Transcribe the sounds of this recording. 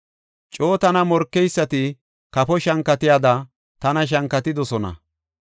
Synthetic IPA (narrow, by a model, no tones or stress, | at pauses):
t͡ʃʼo̞ːt̪ɐnɐmɔɾkːɛjsːɐt̪ɪ | kɐpɔʃɐŋkːɐt̪ɪjad̪ɐ | t̪ɐnɐʃ̬ɐŋkːɐt̪ɪd̪ɔsɔnɐ̰